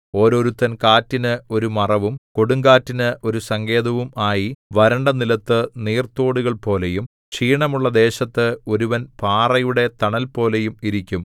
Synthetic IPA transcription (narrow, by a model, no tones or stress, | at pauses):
o̞ːɾo̞ːɾut̪ːɐnkaːtːinɨo̞ɾumɐrɐʋumko̞ɽuŋɡaːtːinɨʔo̞ɾusɐŋɡe̞ːd̪ɐʋumaːjiʋɐɾɐɳɖɐnilɐt̪ːɨniːrt̪oːɽuɣɐɭpo̞ːle̞jum | t͡ɕiːɳɐmuɭːɐd̪e̞ːɕɐt̪ːɨo̞ɾuʋɐnpaːrɐjuɽe̞t̪ɐɳɐlpo̞ːle̞jumiɾikʲːum